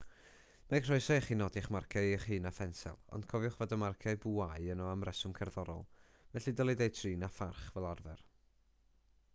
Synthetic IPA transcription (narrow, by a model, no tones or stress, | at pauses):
makr̥ɔɨsaɛχinɔdiχmarkʰaɨχɨːnafɛnsɛ̰lˠɔ̰nd̥kʰɔvjʊχvɔdamarkʰaɨbuajənɔamrɛsʊmkʰɛrðɔɾɔ̰lˠ | vɛɬidɔlˠidejtʰriːnafarχvɛlˠarvɛ̰r